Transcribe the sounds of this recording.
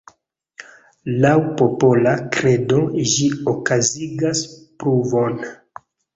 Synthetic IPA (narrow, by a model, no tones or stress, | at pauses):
lawpopo̞lakɾe̞do̞ʒiokaziɡaspɾuvo̞n